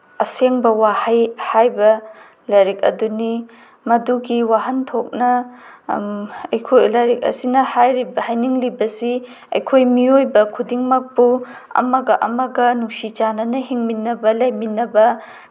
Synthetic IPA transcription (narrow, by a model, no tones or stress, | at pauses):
ɐseŋbɐwahɐjhajbɐ | lɐɾik̚ɐ̰duni | mɐduɡiwaɦɐntʰok̚nɐ | ɐjkʰojlɐɾik̚ɐ̰sinɐhajɾibɐhajniŋlibɐsi | ɐ̰jkʰojmiojbɐkʰudiŋmɐk̚puɐ̰mɐɡɐʔɐmɐɡɐnuŋsit͡ʃanɐnɐɦiŋminːɐbɐlɐjminɐbɐ